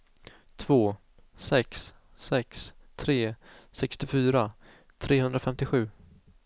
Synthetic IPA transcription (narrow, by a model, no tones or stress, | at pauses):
t̪ʰvoː | sɛks | sɛkst̪ʰɾeːsɛkst̪ɪfyːɾa | t̪ʰɾeːɦɵnd̪ɾafɛmt̪ɪɧʉ̟ː